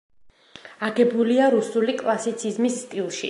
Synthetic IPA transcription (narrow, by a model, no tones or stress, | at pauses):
aɡɛbuliaɾusulikʼlˠasit̪sʰizmisːt̪ʼilˠʃḭ